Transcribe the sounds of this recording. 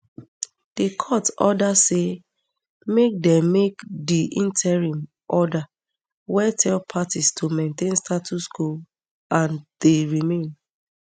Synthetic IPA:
d̥ekʰɔtɔ̰dase | mek̚dɛ̃mːekdiʔĩntʰɛɹĩm | ʔɔda | wɛtʰɛlpʰatistʰomẽntẽnstatʰuskul | ãnd̥eɹimẽn

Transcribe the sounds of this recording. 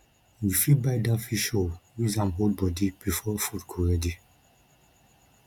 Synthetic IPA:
jifibajdafiʃowizãmɦolbɔdib̥ifɔfudkʰɔɹɛdi

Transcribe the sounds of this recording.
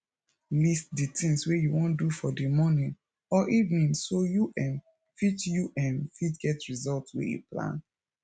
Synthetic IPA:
list̚ditĩŋswejuwɔ̃ndufɔdimɔnĩn | ɔʔivĩnsojuʔɛ̃n | fit͡ʃjuʔɛ̃nfitɡɛtɹizɔltswḛjṵplã̰n

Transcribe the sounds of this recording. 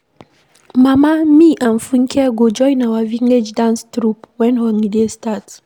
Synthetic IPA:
mamamiʔãn̩fuŋ̩kʰɛɡod͡ʒɔɪnawaviŋed͡ʒdãnstɾupwɛ̃nhɔŋidestat

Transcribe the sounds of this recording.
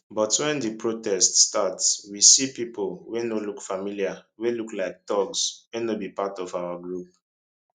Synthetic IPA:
bɔtwɛ̃ndipɹotɛststatswisipipʰolwenolukfamiliaweluklaɪk̚d̥ɔɡswenobipatɔvawaɡɹup̚

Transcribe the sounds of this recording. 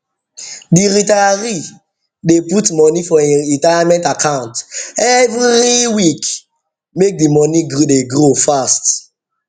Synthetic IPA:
diɾitaɾi | deputmɔnifɔɛ̃nitaamɛ̃ntakʰãʊ̃ntɛvɾiwik | mek̚dimɔniɡodeɡɾofast

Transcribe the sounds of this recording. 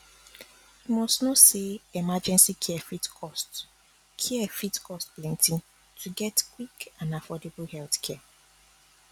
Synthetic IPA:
imɔstnɔtseɛmad͡ʒɛ̃nsikʰiɛfitkɔst | kʰiɛfitkʰɔstplɛ̃ntĩn | tʰuɡɛtkwikãnafɔdeblhɛlθkʰɛ

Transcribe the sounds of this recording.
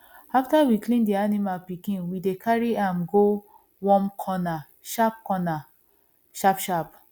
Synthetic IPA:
aftawiklĩndianimalpikĩnwidekʰaɹiãmɡo | wɔ̃mkʰɔna | ʃap̚kɔna | ʃapʃap

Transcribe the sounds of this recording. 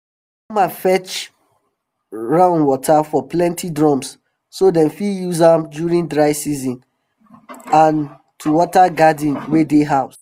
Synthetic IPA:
kɔ̃mãnfɛt͡ʃ | ɹãʊ̃nwɔtʰafɔplɛ̃ntʰidɹɔ̃ms | sodɛ̃nfijuzãmdjuɹĩndɹaɪsizɔ̃n | ãn | tʰuwɔtaɡadĩnwedeɦaʊs

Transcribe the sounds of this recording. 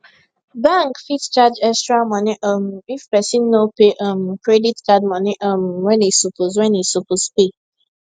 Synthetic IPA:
bãŋkfitst͡ʃad͡ʒɛstɾamɔniʔɔm̩ifpɛsinːopeʔəm̩kɾɛditkad̚mɔnɪʔɔmwɛ̃nisopoz̬wɛ̃nisopospe

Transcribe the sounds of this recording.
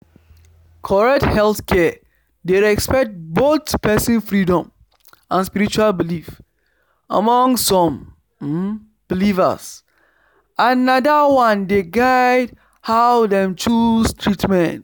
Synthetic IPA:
kʰɔɹɛk̚thɛlθkʰɛ | deɹɛkspɛk̚t̚botpʰɛsĩnfɹidɔ̃m | ãnspiɹit͡ʃualbilif | a̰mɔ̃ŋsːɔ̃m | b̥ilivə̰s | ʔanadawãndeɡaɪd | haʊdɛ̃mt͡ʃustʰɹitmɛ̃nt

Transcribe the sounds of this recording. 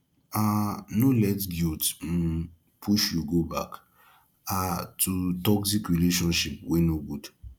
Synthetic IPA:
anolɛtɡilt̩ | pʰuʃjuɡoba̰k | atʰutɔksikɹileʃɔ̃nʃip̚wenoɡud̥

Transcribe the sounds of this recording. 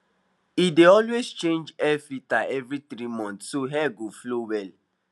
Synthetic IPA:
ideɔlwezt͡ʃẽnd͡ʒɛfitaʔɛvɾitɾimɔ̃ntsoɦɛɡoflowɛl

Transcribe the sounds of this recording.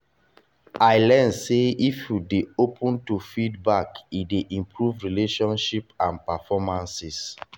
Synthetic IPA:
ajlɛnseifjudeopʰũntufidbakideʔĩmpɹuvɹileʃɔ̃nʃipãnpafɔmãnsis

